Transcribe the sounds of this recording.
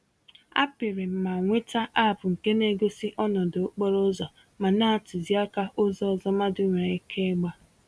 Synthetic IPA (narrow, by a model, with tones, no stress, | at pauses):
a̰˦pɪ˨ɾɪ˨m̩˨ma˨ŋʷe˦ta˦ʔa˦˨pʊ˨ŋ̩˨ke˦ne˦ɡo˦sɪ˦ʔɔ˦nɔ˨do˨˦k͡pɔ˦ɾo˦zɔ˨ | ma˨na˦a˨tʊ˨zi˦a˦ka˦ʔʊ˦zɔ˦ɔ˨zɔ˦ma˦dʊ˦ŋʷe˨e˦kʰe˦ɡ͡ba˦